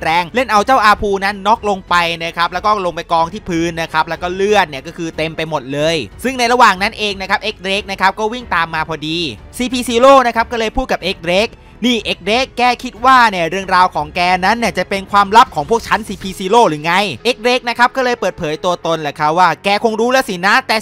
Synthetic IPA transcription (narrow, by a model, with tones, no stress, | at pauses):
ɾɛː˧ŋle˥˩nʔa˧wt͡ɕaː˥˩wʔaː˧pʰuː˧na˦˥nːɔ˦˥k̚lo˧ŋpa˧jna˦˥kʰa˦˥p̚lɛ˦˥wkɔː˥˩lo˧ŋpa˧jkɔː˧ŋt̪ʰiː˥˩pʰɯː˦˥nːa˦˥kʰa˦˥p̚lɛ˦˥wkɔː˥˩lɯ˥˩ət̪̚ni˥˩ɐkɔː˥˩kʰɯː˧t̪e˧mpa˧jmo˨˩t̪̚lɤː˧jsɯ˥˩ŋna˧jɾa˧waː˨˩ŋna˦˥nʔeː˧ŋna˦˥kʰa˦˥p̚ʔe˦˥k̚ɾe˦˥k̚na˦˥kʰa˦˥p̚kɔː˥˩wi˥˩ŋt̪aː˧mːaː˧pʰɔː˧diː˧siː˧pʰiː˧siː˧loː˥˩na˦˥kʰa˦˥p̚kɔː˥˩lɤː˧jpʰuː˥˩t̪̚ka˨˩p̚ʔe˦˥k̚ɾeː˦˥k̚ | niː˥˩ʔe˦˥k̚ɾeː˦˥kːɛː˥˩kʰi˦˥t̪̚waː˥˩ni˥˩əɾɯ˥˩əŋɾaː˧wkʰɔː˩˦ŋkɛː˧na˦˥nːi˥˩t͡ɕa˨˩pe˧nkʰwaː˧mɾa˦˥p̚kʰɔː˩˦ŋpʰu˥˩ək̚t͡ɕʰa˦˥nsiː˧pʰiː˧siː˧loː˥˩ɾɯː˩˦ŋa˧jʔe˦˥k̚ɾeː˦˥k̚na˦˥kʰa˦˥p̚kɔː˥˩lɤː˧jpɤː˨˩t̪̚pʰɤː˩˦jt̪u˧ɐt̪o˧nlɛ˨˩kʰa˦˥p̚waː˥˩kɛː˧kʰo˧ŋɾuː˦˥lɛ˦˥si˩˦na˦˥t̪ɛː˨˩